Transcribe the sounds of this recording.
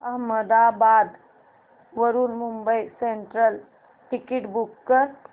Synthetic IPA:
aməd̪abad̪ | ʋəɾuɾmumbəjseɳʈɾəl | ʈikiʈbukːəɾ

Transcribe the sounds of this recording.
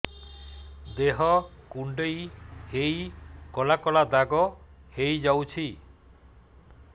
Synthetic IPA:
d̪eɦɔkuɳɖejhejkɔlakɔlad̪aɡɔhejd͡ʒawt͡ʃʰi

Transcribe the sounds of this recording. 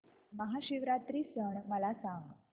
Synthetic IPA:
məɦaɕiʋɾat̪ɾiːsəɳməlasãŋɡ

